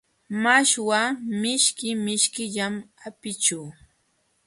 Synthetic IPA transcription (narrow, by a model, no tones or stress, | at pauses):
maʃwamɪʃkɪmɪʃkɪʎamapɪt͡ʃuː